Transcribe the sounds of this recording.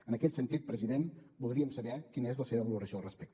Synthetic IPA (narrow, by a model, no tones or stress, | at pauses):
ənəkɛt̪sənt̪it̪̚pɾəziðenbulˠd̪ɾiəmsəβɛkinəezləseβəβəluɾəsiolˠrəspɛk̚t̪